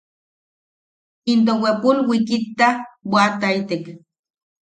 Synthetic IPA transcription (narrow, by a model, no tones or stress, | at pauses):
int̪̬owepulwikit̪ːawʷat̪ait̪ek